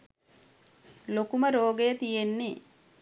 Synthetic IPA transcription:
lokuməɾoːɡejət̪ijenːi

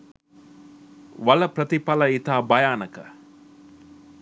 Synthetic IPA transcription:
ʋɐlɐpɾɐt̪ipɐlɐit̪aːbɐjaːnɐkɐ̰

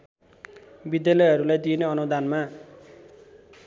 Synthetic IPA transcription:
bid̪jalʌjɦʌɾulajd̪ineʌnud̪ʱanma

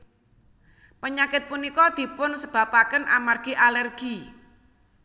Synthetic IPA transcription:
pəɲakɪt̪̚punikɔd̪̥i̤pʊnsəb̥a̤pakənʔa̰marɡ̥i̤ʔalərɡ̥i

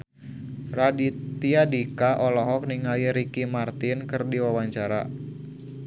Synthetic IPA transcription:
radit̪iadikaʔɔlɔɦɔk̚niŋaliɾikimart̪inkɨrdiwawaɲt͡ʃaɾa̰

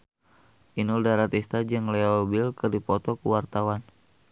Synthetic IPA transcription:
ʔinuldaɾat̪ist̪ad͡ʒɨŋlɛɔbilkɨrdipɔt̪ɔkuwart̪awan

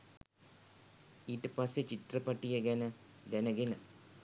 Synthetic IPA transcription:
iːʈəpasːet͡ʃit̪rəpaʈijəɡɛnə | d̪ænəɡenə

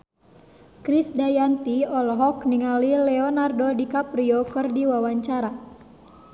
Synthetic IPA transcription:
kɾisdajant̪iɔlɦɔkniŋalilɛɔnardodikapriɔkɨrdiwawaɲt͡ʃaɾa

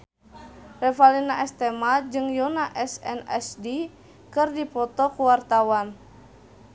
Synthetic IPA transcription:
rɛfalinaɛst̪ɛmad͡ʒɨŋjɔnaʔɛsɛ̰nɛ̰sdi | kɨrdipɔt̪ɔkuwart̪awan

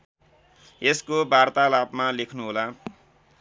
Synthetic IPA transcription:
eskobart̪alabmalekʰnuɦola

